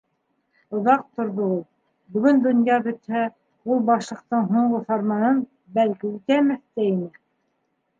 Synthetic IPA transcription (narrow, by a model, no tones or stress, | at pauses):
ŏðɑq̚t̪ŏɾðɤulˠ | bɵ̆ɡɵnd̪ŏnjɑbɵ̆t̪hæ | ulˠbɑʃlˠɤ̆q̚t̪ɤɴɦuɴɢɤθɑɾmɑnɤn | bælkiʉt̪æmæθt̪æinɘ